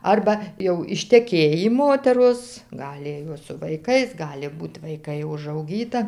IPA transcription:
ˈɐrbɐ jɛʊ ɪʃʲtʲɛˈkʲeːjiː ˈmoːtʲɛroːs ˈɡɑːlʲɪ joːs sʊ ʋɐɪˈkɐɪs ˈɡɑːlʲɪ ˈbuːt ʋɐɪˈkɐɪ ʊʒɐʊˈɡʲiːtɐ

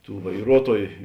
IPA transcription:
ˈtuː ʋɐɪˈruɔtuɔjʊ

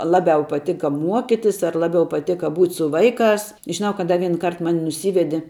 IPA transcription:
ˈlˠɑːbʲɛʊ pɐˈtʲɪkɐ ˈmuɔkʲɪtʲɪs ɐr ˈlˠɑːbʲɛʊ pɐˈtʲeːkɐ ˈbuːtʲ sʊ ˈʋɐɪˌkɑːs ʒʲɪˈnɐʊ kɐt ˈdɐ ˈʋʲiɛn ˈkɐrt ˈmɑːnʲɪ nʊˈsʲiːʋʲɛdʲɪ

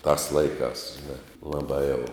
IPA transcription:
tɑːs ˈlˠɐɪkɑːs ˈʒʲɪnɐ ˈlˠɑːbɑː jɛʊ

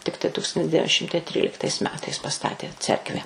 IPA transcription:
ˈtʲɪktɐɪ ˈtuːkstɐnʲtʲɪs ˈdʲæːʋʲɪn ˈʃʲɪmtɐɪ ˈtʲrʲiːlʲɪktɐɪs ˈmʲæːtɐɪs pɐˈstɑːtʲeː ˈt͡sʲɛrkʋʲæː

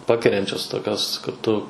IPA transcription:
ˈpɑːkʲɛrʲɛnʲt͡ʃʲoːs ˈtoːkʲoːs kɐt ˈtʊ

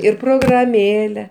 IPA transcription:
ɪr proːɡrɐˈmʲeːlʲɛ

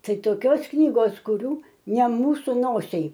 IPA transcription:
ˈtɐɪ toːˈkʲoːs ˈknʲiːɡoːs kʊˈrʲuː nʲɛ ˈmuːsʊ ˈnoːsʲɛɪ

